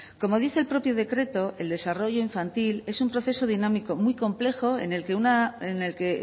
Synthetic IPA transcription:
ko̞mo̞ðiθe̞lpɾo̞pjoðe̞kɾe̞t̪o̞ʔe̞ld̪e̞saro̞ʝo̞iɱfant̪ile̞sumpɾo̞θe̞so̞ðinãmiko̞mwijko̞mple̞xo̞e̞̰ne̞lke̞unaene̞lke̞

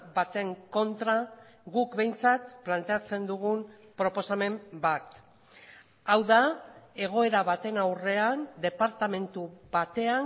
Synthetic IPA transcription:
bat̪e̞ŋko̞nt̪ɾa | ɣukbe̞jnt͡sat̪plant̪e̞at͡se̞nd̪uɣ̞umpɾo̞po̞same̞mbat̪ | awðae̞ɣ̞o̞e̞ɾaβat̪e̞nawre̞and̪e̞paɾt̪ame̞nt̪uβat̪e̞a

